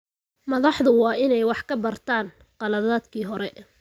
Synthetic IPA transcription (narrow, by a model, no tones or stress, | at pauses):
mɐðɑħðʊwɑːɪnɛjwɑħkʰɐbɐrt̪ʰaːn | qɑlɐðaːd̪kʰiːɦɔɾɛ